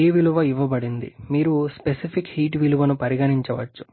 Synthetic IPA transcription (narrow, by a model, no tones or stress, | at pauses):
eːʋiluʋɐiʋːɐbɐɽind̪ḭmiːɾuspesipʰikhiːʈʋiluʋɐnupɐɾiɡɐniɲt͡ʃɐʋɐt͡ʃːu̥